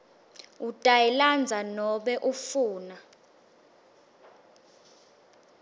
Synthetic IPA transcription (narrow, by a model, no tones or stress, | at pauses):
utʼajɛland͡zʱanɔɓɛʔufuːna